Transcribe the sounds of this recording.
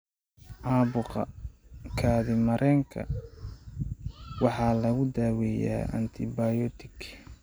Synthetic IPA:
ʔɑːβʊqɐkʰaːðɪmɐɾʔɛːŋkʰɐ̰ | wɑħɑːlɐɣʊd̪aːwɛja̰ːʔɐ̰nt̪ʰɪbajɔːt̪ʰɪɡ

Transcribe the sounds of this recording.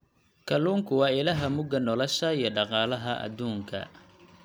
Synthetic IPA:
kʰɐluːŋkʰʊwɑːɪlɐɦɐmʊɡɐnɔlɔʃɐijɞɖɑqɑːlɐɦɐʔɐ̰d̪uːŋkʰɐ̰

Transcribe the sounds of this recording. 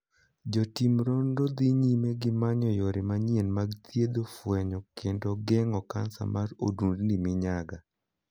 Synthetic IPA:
d͡ʒɔtimɾɔndod̪iɲimeɡɪmaɲɔjɔɾɪmaɲienmaɡt̪ʰjed̪ofwɛɲɔkʰendoɡɛŋɔka̰nsa̰mʔaɾo̰dundnimɪɲaɡa

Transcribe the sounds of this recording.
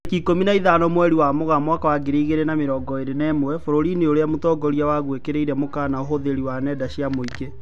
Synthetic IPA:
kikominaiðanɔmwɛɾiwamoɣamwakawaɡeɾeiɣeɾenameɾɔːŋɡɔeɾenɛːmwɛfoɾoɾineoɾeamotɔːɡɔɾijawaɣwekeɾeiɾɛmokanaoɦoðeɾiwanɛdaɕiamoike

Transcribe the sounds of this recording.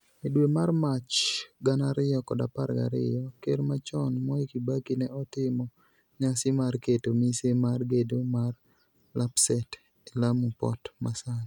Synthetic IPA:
edwemarmat͡ʃɡanaɾɪjɔkɔdapaɾɡa̰ɾɪ̰jɔkermat͡ʃɔnmɔikibakɪnɛɔt̪ɪmɔ | ɲasɪmarketomisemarɡedomar | lapsɛt | elamupɔ̰tmasan

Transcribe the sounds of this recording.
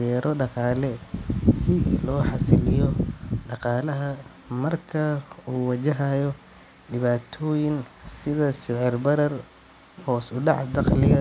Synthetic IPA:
ɛːɾʔɔɖɑqɑːlɛsɪlɔːħɑsɪlɪjɔɖɑqɑːlɐɦɐ | mɐrkʰɐuːwɐt͡ʃɐɦajɔ | ɖɪβaːt̪ʰɔːjɪŋsɪðɐsɪʕɪrbɐɾɐr | hɔːsʊɖɑʕd̪ɑqlɪɣɐ

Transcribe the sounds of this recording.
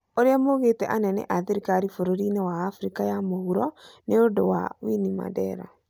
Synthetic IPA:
oɾeamoɣetɛʔanɛnɛ̰ʔaðeɾikaɾifoɾoɾinewaːfuɾikajamohuɾɔneodowa̰winima̰dɛɾa̰

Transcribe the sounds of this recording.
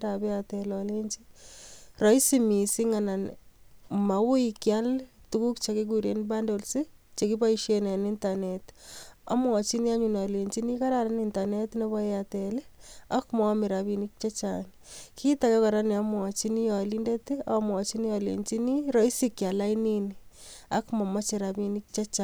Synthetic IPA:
dabɛjatɛlɔleɲt͡ʃi | rɔisimisiŋanan | mawʊikjaltukukt͡ʃakek̬uɾenbandolset͡ʃekibaiʃenenintaneta̰mwɔt͡ʃiniaɲunɔleɲt͡ʃinikaɾaɾanintanetnɔβɔeatɛlea̰kmɔmiɾaβinik̚t͡ʃat͡ʃa̰n | kʰitakɛkɔɾaniamwɔt͡ʃinijalindetiamwɔt͡ʃinijalḛɲt͡ʃiniɾoisikjalainini | a̰kmɔmat͡ʃeɾabinikt͡ʃat͡ʃa

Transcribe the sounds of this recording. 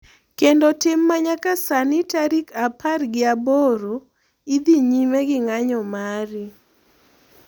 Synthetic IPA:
kendɔtɪmːaɲakasanɪtaɾikapʰarɡɪaboɾo | id̪iɲimeɡɪŋaɲɔmaɾɪ

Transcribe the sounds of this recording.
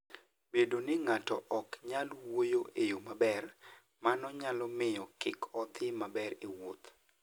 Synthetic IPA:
bedonɪŋatɔʔɔkɲalwojoʔejomabɛr | manɔɲalɔmɪjɔkɪkɔt̪ɪmabɛɾewot̪

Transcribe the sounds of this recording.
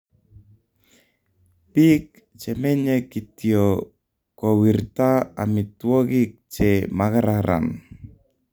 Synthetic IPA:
pik̚ | t͡ʃɛmɛɲɛkitio | kɔwirtaa̰mitwɔɣik̚t͡ʃɛmaɣaɾaɾa̰n

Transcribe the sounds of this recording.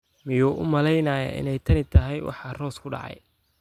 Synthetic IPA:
mɪjɔːʔʊmɐlɛjnɐːjɐ̰ʔɪ̰nɛjt̪ʰɐnɪt̪ʰɐɦɛjwʔɑ̰ħɑːrɔːskʰʊɖɑ̰ʕɑ̰j

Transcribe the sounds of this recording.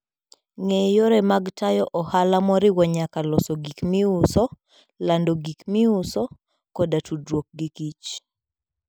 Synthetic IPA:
ŋejoɾɛmaɡtajɔʔɔhalamɔɾɪwɔɲakalɔsɔɡikmiʊsɔ | landɔɡikmiʊsɔ | kɔdatudɾwok̚ɡikit͡ʃ

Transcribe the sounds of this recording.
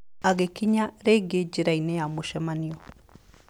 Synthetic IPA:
aɡekiɲaɾeɡed͡ʒiɾainɛjamoʃɛmaniɔ

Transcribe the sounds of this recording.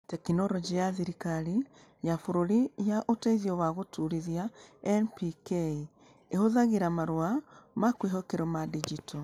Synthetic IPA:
tɛkinɔɾɔd͡ʒijasiɾikaɾi | jafoɾoɾijaʔoteðjɔwaɣotuɾiðjaɛnpikei | ehoðaɣiɾamaɾoamakweɦɔkeɾɔmadid͡ʒito

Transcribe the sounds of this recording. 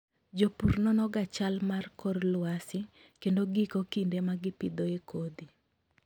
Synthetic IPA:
d͡ʒopurnɔnɔɡat͡ʃalmarkɔrlwasɪ | kendoɡikokindemaɡɪpɪd̪oekod̪i

